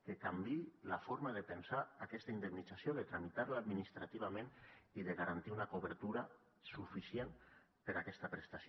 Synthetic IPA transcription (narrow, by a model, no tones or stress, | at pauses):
kekambilafoɾmaðepensaːkɛst̪aind̪emnid͡zasjoðet̪ɾamit̪aɾlaːd̪minist̪ɾat̪iβ̞amẽniðeɣaɾant̪iunakoβ̞eɾt̪uɾa | sufisjen | peɾakɛst̪apɾest̪asjo